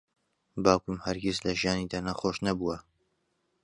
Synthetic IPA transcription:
baːkumhɐɾɡʲizlɐʒijaːniːd̪aːnɐxoʃnɐbuwɐ

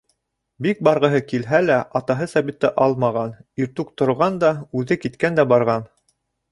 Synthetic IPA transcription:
bik̚bɑɾʁɤ̆ɦɤkilɦælæʔɑt̪ɑɦɤsæβit̪ːɘʔɑlˠmɑʁɑniɾt̪ʉk̚t̪ŏɾʁɑnd̪ɑʉðɘkit̪kænd̪æbɑɾʁɑn

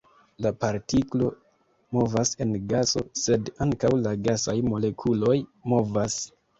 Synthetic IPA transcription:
lapaɾtiklo̞ | mo̞vase̞nɡaso̞̰se̞daŋkawlaɡasajmo̞le̞kʰulo̞jmo̞vas

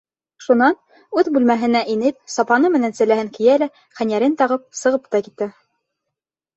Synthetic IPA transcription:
ʃunɑn | ʉðbʉlmæɦɘ̆næʔinɘp̚sɑpɑnɤmɘ̆nænsɘ̆læhɘŋkijælæ | χænʲjæɾɘnt̪ɑʁɤp̚sɤ̆ʁɤp̚t̪ɑkit̪ːɘ

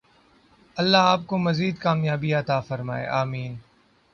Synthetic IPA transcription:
ɐlːaːaːp̚komɐziːd̪kaːmjaːbiɐt̪aːfɐɾma̰ːḛːʔaːmiːn

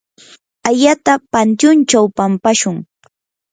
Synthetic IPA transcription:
aʎat̪apant̪jʊnt͡ʃawpampaʃʊŋ

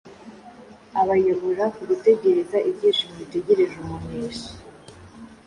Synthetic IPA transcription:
aβajoβoɾakuɡute̞ɟe̞ɾe̞zaʔibɟiːʃimβite̞ɟe̞ɾe̞ʒumuɲeːʃi̥

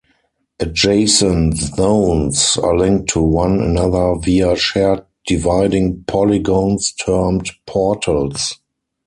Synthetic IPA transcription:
ʔəd͡ʒeɪsə̃nzõʊ̃nsa̰lɪ̃ŋk̚tʰːuwãnə̰naðə˞viaʃɛt̚ | d̥ivaɪdɪ̃ŋpʰɔliɡõʊ̃nstʰɜ˞mtpʰɔtʰəls

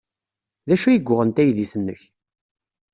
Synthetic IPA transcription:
ðæʃujəɡʷːʊʁənt̪æjðiθənːəç

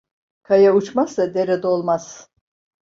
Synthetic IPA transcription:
kʰajaut͡ʃmasad̪eɾɛd̪o̞lˠmaz̥

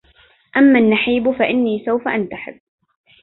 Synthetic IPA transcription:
ʔamːanːaħiːbfaʔɪnːiːsawfaʔant̪aħɪ̰bː

